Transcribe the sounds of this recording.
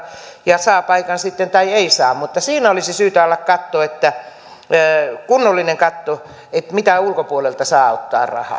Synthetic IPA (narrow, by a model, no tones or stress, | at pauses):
jɑsɑːpɑikɑnsit̪ːent̪ɑieisɑːmmut̪ːɑsiːnæolisisyːt̪æɑlːɑkkɑt̪ːoːet̪ːæ | kunːolːineŋkɑt̪ːo | et̪mit̪æulkopuolelt̪ɑsɑːɑot̪ːɑ̰ːrɑ̰hɑ̰